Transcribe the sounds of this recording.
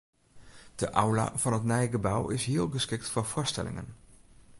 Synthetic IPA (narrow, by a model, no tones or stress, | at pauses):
d̥əʔawla̰ːv̥ɑnɦətnɛjɣəbawɪsɦɪːlˠɣəskɪk̚tfʊɹv̥ʊːɹstɛ̰lɪ̰ŋə̰n